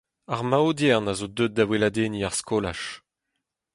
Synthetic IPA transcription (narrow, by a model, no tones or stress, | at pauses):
aʁmaodjɛʁnazod̪øt̪̚d̪awelad̪eːniaʁskola̰ʃ